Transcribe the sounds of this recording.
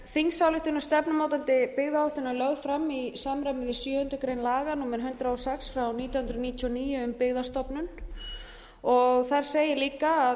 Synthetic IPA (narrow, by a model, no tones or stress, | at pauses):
θiŋsawlɪht̪ʏnast̪ɛpnamoːwt̪ant̪ɪpɪɣðaɔht̪ʏnːalœɣðfɾamːisaːmɾajmɪvɪsjœːhʏnt̪ʏkɾejnlaːɣanuːmɪɾ̥ɦʏnt̪ɾaɔsɛksfɾawniːt̪jawhʏnt̪ɾʏniːt̪ʰiɔniːjʏʏmpɪɣðast̪ɔpnʏn | ɔɣθaɾ̥seːjɪliːkaː